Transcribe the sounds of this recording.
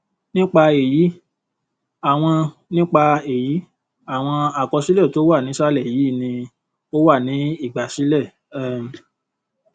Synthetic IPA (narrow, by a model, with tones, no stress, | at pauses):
nĩ˦k͡pa˧e˨ji˨˦ | a˨w̃ɔ̃˧ | nĩ˦k͡pa˧e˨ji˨˦ | a˦˨w̃ɔ̃˧a˨kɔ˧si˨˦lɛ˦˨to˦wa˦˨nĩ˨˦ʃa˦lɛ˦˨ji˨˦˨nĩ˧ | o˦wa˦˨nĩ˨˦i˦˨ɡ͡ba˨si˦lɛ˦˨ | ɛ˨